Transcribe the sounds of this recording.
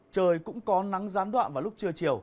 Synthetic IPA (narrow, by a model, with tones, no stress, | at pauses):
t͡ɕəː˨˧˩jkʊ̰˧˥ŋ͡mkɔ˨˦na˨˦ŋzaː˨˦nɗwa̰ː˧˨nvaː˨˩lʊ˦˥k͡p̚t͡ɕɨ˧ət͡ɕi˨˩əw